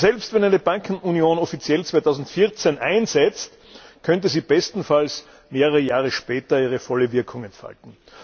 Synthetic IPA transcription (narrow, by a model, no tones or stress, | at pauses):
sɛlpstv̥ɛnæɪnəbaŋkʰn̩unjoːnɔfit͡sjɛlt͡sv̥aɪtʰaʊzn̩tfɪɐt͡senʔaɪnzɛt͡st | kʰœnt̬əziːb̥ɛstn̩fals | meːʁɐʁəjaːʁəʃpɛːtɐiːʁ̞əfɔləvɪɐkʰʊŋɛntfa̰ltn̩